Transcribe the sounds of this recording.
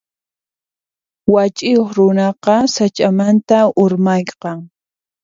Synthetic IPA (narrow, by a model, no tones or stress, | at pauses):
wat͡ʃʼɪjoχɾʊnɑqɑsat͡ʃʼamant̪aʊɾmajqɑŋ